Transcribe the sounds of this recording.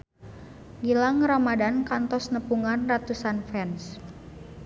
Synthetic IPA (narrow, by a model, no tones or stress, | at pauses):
ɡilaŋramadankant̪ɔsnəpuŋanrat̪usanfɛns